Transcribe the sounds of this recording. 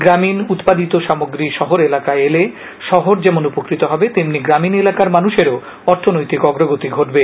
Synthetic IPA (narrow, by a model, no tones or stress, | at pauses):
ɡɾaminut̪pad̪it̪oʃamoɡɾiʃɔɦoɾelakaele | ʃɔɦoɾd͡ʑɛmonupokɾit̪oɦɔbet̪emniɡɾaminelakaɾmanuʃeɾo | ɔɾt̪ʰonojt̪ikɔɡɾoɡot̪iɡʱoʈbe